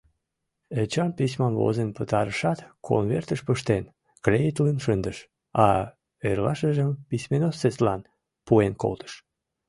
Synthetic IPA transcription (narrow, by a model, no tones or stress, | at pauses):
et͡ɕɑnpis̬ʲmɑmvo̰zenpət̪ɑɾəʃɑt̪kʰo̰nβert̪əʃpəʃt̪en | krejit̪lənʃənd̪əʃ | ɑ | erlɑʃəʒəmpisʲmenosːeslɑn | puenko̰lt̪ʰə̥ʃ